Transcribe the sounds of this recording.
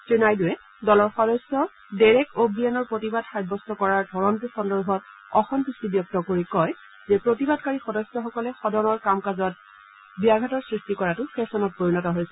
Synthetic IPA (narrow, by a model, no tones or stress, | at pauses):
tɹinajdʊwɛ | dɔlɔɹxɔdɔjsɔ | dɛɹɛkobianɔɹpɹotibadxajbɔstɔkɔɹaɹdʱɔɹɔntusɔndɔɹbʱɔt̚ | ɔxɔmpistibjɔk̚tɔkoɹikɔj | zɛpɹotibadkaɹixɔdɔjsjɔxɔkɔlɛxɔdɔnɔɹkamkazɔt̚ | biaɡʱatɔɹsɹistikɔɹatʊpʰesɔnɔt̚poɹinɔtɔɦojsɛ